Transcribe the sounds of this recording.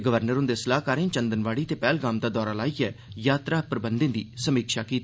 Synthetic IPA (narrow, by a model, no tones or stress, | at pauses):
ɡəʋəɾnəɾʊ̃nd̪eːsəlaːɦkaːɾẽːt͡ʃənd̪ənʋaːɽiːt̪eːpɛːlɡaːmd̪aːd̪ɔːɾaːlaːiːɛːjaːt̪ɾaːpɾəbənd̪ẽːd̪ḭːsəmiːkʃaːkiːt̪